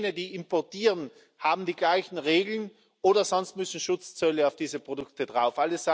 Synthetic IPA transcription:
nədiːʔɪmpɔɐtiːʁən | haːbm̩diːɡlaɪçn̩ʁeːɡl̩n | ʔoːɾɐzɔnst̚mʏsn̩ʃʊt͡st͡sœləaʊfd̥iːzəpʁ̥odʊktədʁaʊfʔaləsz̥a

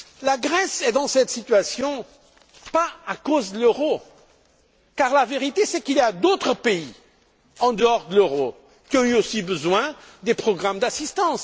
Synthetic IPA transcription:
laɡʁɛsɛd̪ɑ̃sɛt̪sit̪ɥasjɔ̃ | paakozd̪əløʁo | kaʁlaveʁit̪esɛkiljad̪ot̪χəpei | ɑ̃d̪əɔʁd̪əløʁo | kʲiɔ̃yosibəzwɛ̃d̪epχɔɡʁamd̪asist̪ɑ̃s

